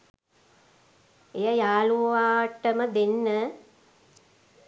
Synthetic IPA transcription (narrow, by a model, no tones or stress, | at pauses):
ejəjaːluʋaːʈːəməd̪enːə